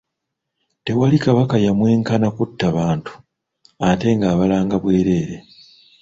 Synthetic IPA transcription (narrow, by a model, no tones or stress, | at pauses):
te̞walikaβakajamwe̞ːŋkanakutːaβaːntu̥ | ate̞ŋɡaːβalaːŋɡaβwe̞ːɾe̞ːɾe̞